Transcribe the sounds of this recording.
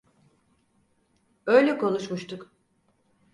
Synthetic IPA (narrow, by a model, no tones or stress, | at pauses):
ø̞jlʲɛkʰo̞nuʃmuʃt̪ʰuk